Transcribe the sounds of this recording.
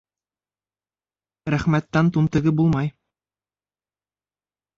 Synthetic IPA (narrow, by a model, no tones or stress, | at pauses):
ɾæχmæt̪ːænt̪unt̪ɤ̆ɡɤbulˠmɑj